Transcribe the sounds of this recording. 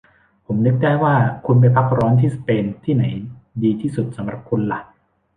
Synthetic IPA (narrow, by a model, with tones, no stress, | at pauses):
pʰo˩˦mnɯ˦˥k̚daː˥˩jwaː˥˩kʰu˧npa˧jpʰa˦˥k̚ɾɔː˦˥nt̪ʰiː˥˩sḁ˧peː˧nt̪ʰiː˥˩na˩˦jdiː˧t̪ʰiː˥˩su˨˩t̪̚sa˩˦mɾa˨˩p̚kʰu˧nla˦˩ʔ